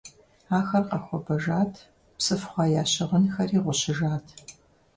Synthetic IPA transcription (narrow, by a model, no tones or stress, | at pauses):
aːxɐrqɐxʷɔbɐʒaːtʰ | psɨfχʷɑːjaːɕɪʁənxɐriːʁʷʊɕɪʒaːtʰ